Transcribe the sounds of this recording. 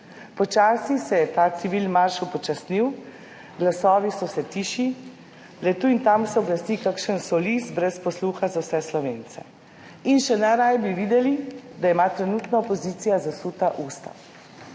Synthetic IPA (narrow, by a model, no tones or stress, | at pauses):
pɔt͡ʃaːsisɛjɛt̪aːsiʋilmaɾʃupɔt͡ʃasniw | ɡlasɔːʋisɔsɛt̪iːʃi | lɛt̪uint̪amsɛɔblast̪ikakʃənsɔlisbɾɛspɔsluːxazawsɛslɔʋent̪sɛ̰ | inʃɛnaɾajbiʋiːd̪ɛlid̪ajɛmat̪ɾɛnuːt̪nɔɔpɔziːt̪sijazasut̪aʔuːst̪a̰